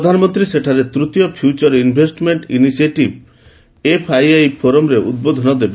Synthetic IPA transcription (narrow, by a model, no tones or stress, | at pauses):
pɾɔd̪ʱanɔmɔnt̪ɾiseʈʰaɾet̪ɾut̪jɔpʰjut͡ʃɔɾinbʱesʈmeɳʈḭnisieʈib | epʰajajpʰoɾɔmɾeʔṵd̪̚bod̪ʱɔnɔd̪ebe